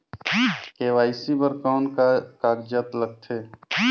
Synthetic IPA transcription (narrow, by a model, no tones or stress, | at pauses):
keːʋaːɪsibəɾkɔːnkaːɡd͡ʒət̪ləɡ̚t̪ʰeː